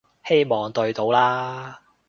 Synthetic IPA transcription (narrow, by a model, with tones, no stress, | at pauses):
he˥jmɔː˨ŋt̪ɵ˧ɥt̪o˨˥wlaː˥